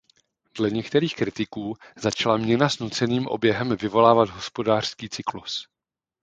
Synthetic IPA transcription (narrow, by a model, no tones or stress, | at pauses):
dlɛɲɛkt̪ɛɾiːxkɾɪt̪ɪkuːzat͡ʃalamɲɛnasnut͡sɛniːmʔo̞̰bjɛɦɛmvɪvo̞laːvad̪ɦo̞spo̞daːr̥skiːt͡sɪklus